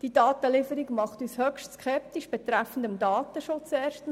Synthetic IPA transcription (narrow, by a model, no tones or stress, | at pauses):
d̥id̥ɑːt̪əlɪfəɾikmɑχt̪yːshœkʃtskʰɛp̚t̪iʃb̥ɛt̪ɾæfn̩dəmdɑːt̪əʃot͡sɛːɾʃtən